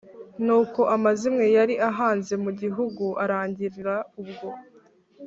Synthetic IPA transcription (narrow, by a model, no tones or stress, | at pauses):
nuːko̞ʔamazimŋe̞jaɾiʔaɦaːnze̞muɟiɦuɡuʔaɾaːɲɟiɾiɾaubɡo̞